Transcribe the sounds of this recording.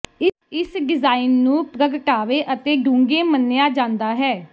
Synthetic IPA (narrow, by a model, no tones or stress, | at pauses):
ɪ | ɪsɖɪzaːinːũːpɾəɡʈaːʋeːʔət̪eːɖũːŋɡẽːmənːejaːd͡ʒãːnd̪aːɦɛː